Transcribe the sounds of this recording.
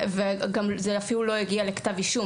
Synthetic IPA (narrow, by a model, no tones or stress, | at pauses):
veɡamzeafilulo̞iɡialekt̪aviʃu